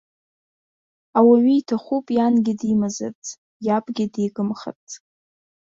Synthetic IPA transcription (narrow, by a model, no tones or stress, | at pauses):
awaɥijtʰaχʷupʼjanɡʲɪdimaza̰t͡sʰʼ | japʼɡʲɪdejɡʼɨmχa̰t͡sʰʼ